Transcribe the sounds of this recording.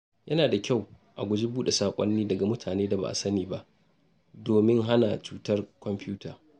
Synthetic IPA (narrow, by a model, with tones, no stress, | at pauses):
jɐ˦naː˨da˨kʲa˦˨w | ʔa˨ɡʷʊ˦d͡ʒi˦buː˦ɗe˨saː˨kʷʼɔ̰˦nːiː˦dɐ˨ɡa˨mʊ˦tʰaː˨neː˦da˨ba̰˨ʔa̰˨sɐ˦niː˨ba˦ʔ | doː˨mɪ˦ŋɦa˦na˨t͡ʃuː˦tɐ˦rkʷɔ˨mpɪ˦uː˦taː˨